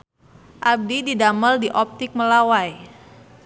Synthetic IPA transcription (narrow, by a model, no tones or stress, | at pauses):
ʔab̚dididaməldiʔɔp̚t̪ɪk̚məlawaj